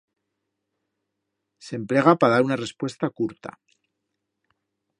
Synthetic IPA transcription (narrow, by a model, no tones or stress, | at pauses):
se̞mple̞ɣ̞apaðaɾunare̞spwe̞st̪akuɾt̪a̰